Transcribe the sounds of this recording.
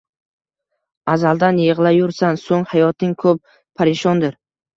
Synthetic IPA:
azalˠd̪anjeʁlˠajʊɾsansoŋhajɒt̪nɪŋkʰɵp̚ | pʰaɾɪʃɒnd̪ɪɾ

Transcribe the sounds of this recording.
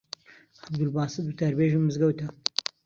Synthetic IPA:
abd̪ulbɑːsɨd̪̚ut̪ɐɾbeːʒimːɨzɡɐwt̪ʰɐ

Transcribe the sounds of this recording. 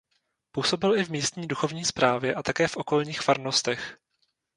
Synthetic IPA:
puːso̞bɪlʔɪvmiːst̪ɲiːduxo̞vɲiːspɾaːvjɛʔat̪akɛːfʔo̞ko̞lɲiːxfaɾno̞st̪ɛx

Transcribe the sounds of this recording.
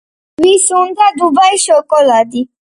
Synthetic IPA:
wisũn̩dadubaiʃɛɔkɔladi

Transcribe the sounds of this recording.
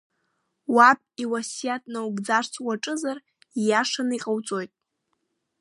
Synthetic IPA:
wapʼiwasijatʼnawɡd͡zart͡sʰʼwaʈ͡ʂʼɨzar | jaʂanɨiqʼawt͡sʼo̞jtʼ

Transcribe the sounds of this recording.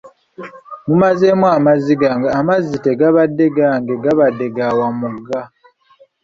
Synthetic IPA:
mumaze̞mwamaziɡaŋɡaːmazite̞ɡaβadːe̞ɡaːŋɡe̞ɡaβadːe̞ɡawamuɡːa

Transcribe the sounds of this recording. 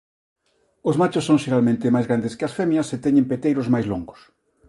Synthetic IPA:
ozmat͡ʃosːõŋʃeɾalmẽnt̪ɪmajzɣɾand̪ɪskɪɐsfɛmjɐset̪ɛɲẽmpet̪ejɾʊzmajzloŋɡʊ̥s

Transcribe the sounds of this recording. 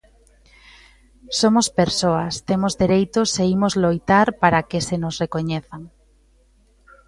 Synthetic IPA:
somospeɾsoast̪emozðeɾejt̪oseimozlojt̪aɾpaɾakesenosrekoɲeθaŋ

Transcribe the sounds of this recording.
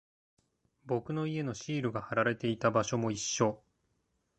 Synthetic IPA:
bo̞kɯ̟no̞ie̞no̞ɕiːɾɯ̟ɡahaɾaɾe̞t̪e̞it̪abaɕo̞mo̞iɕːo̞

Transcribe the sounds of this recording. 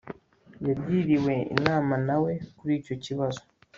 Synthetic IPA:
jabɟiːɾiwe̞ḭnaːmanawe̞kuɾiːco̞ciβazo

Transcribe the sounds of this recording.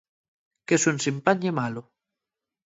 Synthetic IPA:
kesunsimpaɲemalo

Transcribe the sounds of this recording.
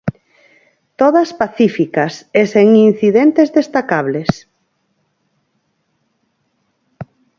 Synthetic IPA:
t̪oð̞aspaθifikaseseŋin̟θiðent̪ezðest̪akaβles

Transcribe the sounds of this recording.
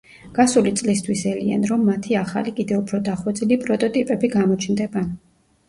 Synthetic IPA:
ɡ̥asulit̪sʼlist̪ʰwisɛlia̰nɾɔmːat̪ʰiaχa̰likʼid̪ɛupʰɾɔd̪aχwɛd̪zilipʼɾɔt̪ʼɔt̪ʼipʼɛbiɡamɔt͡ʃʰnd̪ɛban

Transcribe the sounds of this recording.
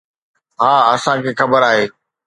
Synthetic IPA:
ɦaːɐsãkʰeːxɐbəɾaːɦeː

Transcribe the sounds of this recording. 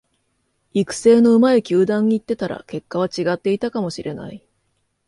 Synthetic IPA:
ikɯ̟̥se̞ːno̞ɯ̟maekʲɨːd̪ãɲ̟ːiːt̪ːe̞t̪aɾa̰ke̞kːaβ̞at͡ɕiɡat̪ːe̞it̪akamo̞ɕiɾʔe̞na̰i

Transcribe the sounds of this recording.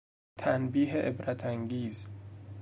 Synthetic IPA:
t̪ʰænbiːɦeʔebɾæt̪ʰæŋɡiːz

